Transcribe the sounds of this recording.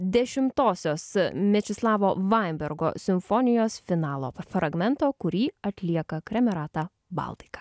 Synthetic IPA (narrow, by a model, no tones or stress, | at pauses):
d̪ʲɛʃʲɪmt̪oːsʲoːsmʲɛt͡ʃʲɪslˠɑːʋoːʋɑɪmʲbʲɛɾɡo̰ːsʲɪmfɔnʲɪjoːsfʲɪnɑːlˠo̰ːfɾɐɡmʲɛnt̪oːkʊɾʲiːɐt̪ʲlʲiɛkɐkɾʲɛmʲɛɾɑːt̪ɑ | bɐ̰ˑlˠt̪ʲɪ̥kɐ̥